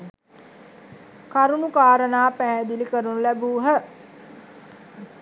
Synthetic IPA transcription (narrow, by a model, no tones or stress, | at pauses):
kaɾunukaːɾənaːpæɦɛd̪ilikəɾunulæbuːɦə